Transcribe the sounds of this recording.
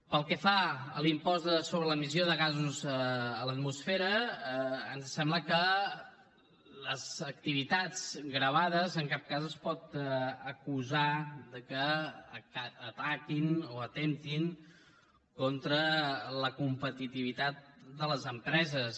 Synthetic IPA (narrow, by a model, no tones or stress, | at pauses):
pəlˠkɛfaəlimpɔzd̪əsoβɾələmizjoðəɣazuzəːlət̪musfɛɾəː | nsɛmbləkə | ləzək̚t̪iβit̪ad͡zɡɣɾəβ̞aðəzəŋkap̚kazəspɔt̪əkuzad̪əkə | aːt̪akinoət̪emt̪iŋ | kɔnt̪ɾələkumpət̪it̪iβit̪at̪̚d̪ələzəmpɾɛzəs